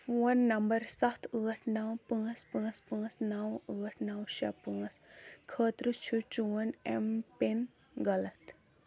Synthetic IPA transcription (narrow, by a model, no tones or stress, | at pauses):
fuːnːɐmbɐɾsɐt̪ʰəːʈʰnɐwpə̃ːspə̃ːspə̃ːsnɐwəːʈʰnɐwʃɐ̰pəːskʰəːt̪ɾɨt͡ʃʰut͡ʃuːɐnḛmpen | ɡɐlɐt̪